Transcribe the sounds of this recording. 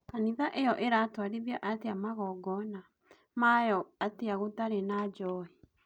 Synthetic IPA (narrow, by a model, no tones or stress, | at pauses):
kaniðaʔejɔʔeɾatwaɾeðiaʔateamaɣɔɡɔna | majɔateaɣotaɾenad͡ʒɔi